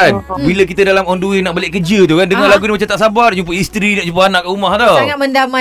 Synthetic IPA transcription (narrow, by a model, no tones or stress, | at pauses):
nbilək̬it̪ədalamɔnduinaʔbaleʔkəd͡ʒət̪ukandəŋalaɡunimat͡ʃamt̪aʔsabart͡ʃump̬əist̪ɾinaʔt͡ʃump̬aanaʔkaumaht̪ɔŋaʔməndama